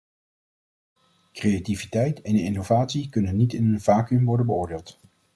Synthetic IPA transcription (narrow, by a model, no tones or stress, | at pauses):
krejativitɛjtɛnɪnovaːtsikɵnənːitɪnənv̥aːkɵmʋɔɹdənbəʊːɹdeːlˠt